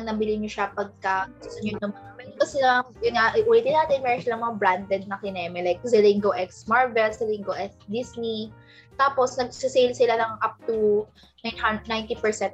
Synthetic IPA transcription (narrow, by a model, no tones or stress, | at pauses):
ŋnɐbɪlɪɲoʃapɐɡ̚kɐt̪ɐɲʊɐmɐnamɛnkɐsɪlaŋjʊnŋaʔʔulɪt̪ɪnːaːt̪ɛnmɛːɾonsɪlɐŋmɐbɾand̪ɛd̪̚nɐkɪnɛːmɛlɛk̚sɛliŋɡoʔɛksmaɹvɛlsɛliŋɡoʔɛksd̪isni | t̪aːpo̞snɐɡ̚sɪsejlsɪlanɐŋʔap̚t̪u | najnajnt̪ipɛɹsɛnt̪̚